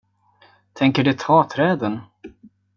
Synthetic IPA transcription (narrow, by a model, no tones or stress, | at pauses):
t̪ʰɛŋkəɖɛt̪ʰɑːt̪ʰɾɛːd̪ən